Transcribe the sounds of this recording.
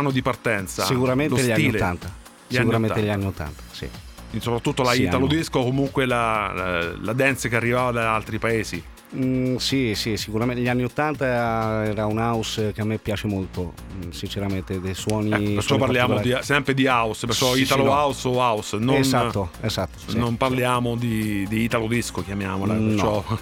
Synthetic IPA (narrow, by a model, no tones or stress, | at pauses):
anːod̪ipart̪ɛnt̪sa̰sikuɾamenlsʎaniolːant̪a | sikuɾameneʎianːiot̪ːa̰nt̪ḁsḭ | insopɾat̪ːut̪ːolaialod̪iskokomuŋkwela | lad̪ɛnt̪sakearːivaːvad̪aalt̪ɾipaeːzḭ | sisisikuɾameʎːianːiot̪ːant̪aɛːɾaunausk̟eamːepːjaːt͡ʃemolt̪o | sint͡ʃeɾament̪ed̪ejswɔːniɛpeɾt͡ʃːɔpːaɾlːjaːmod̪isɛmpɾed̪iauspeɾt͡ʃɔit̪aloawsoausnnat̪ːoezat̪ːo̥nːomparljaːmod̪id̪iit̪alod̪iskokjamjaːmolapenːt͡ʃɔɔ